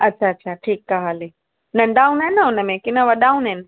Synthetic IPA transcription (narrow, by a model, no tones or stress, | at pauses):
ɐtːt͡ɕʰaɐtːɕʰaʈʰiːk̚ːaɦaːle | nɐ̃ɳɖaːunɐɪnəʊnəmẽkɪnə̃ʋɐɗaːunɦɪnɪ